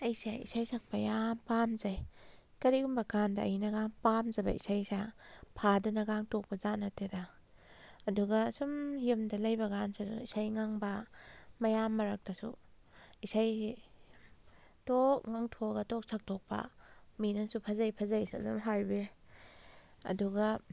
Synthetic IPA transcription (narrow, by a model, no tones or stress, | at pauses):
ɐjsaḭsajsʰak̚pajampamzajkɐɾiumbɐɡandaːjnɐɡaŋpamzabɐ̰ḭsajsapʰadɐnɐɡaŋtok̚pɐzanatedaː | duɡasumiumdɐlɐjbɐɡansadṵisajŋaŋbɐmɐjamːɐɾak̚dɐsṵ | isaj | tok̚ŋaŋtʰoɡɐtok̚sʰak̚tʰok̚pɐ̰minɐsupʰazajpʰazajsazṵmɦajbe | ɐ̰duɡa